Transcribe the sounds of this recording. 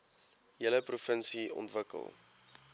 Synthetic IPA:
jələprufənsiɔ̰ntvəkə̰lˠ

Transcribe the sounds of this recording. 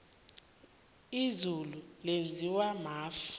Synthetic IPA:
izululend͡zʱiwamaːf

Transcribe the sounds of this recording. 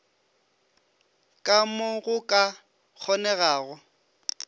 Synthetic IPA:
kʼamʊɣʊkʼa | k͡xʰɔnɛɣaːɣʊ

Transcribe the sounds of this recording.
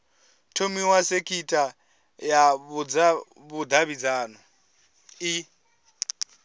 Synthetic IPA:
tʰomiwasekʰitʼa | jaβud͡za | βud̪aβid͡zaːnɔ | i

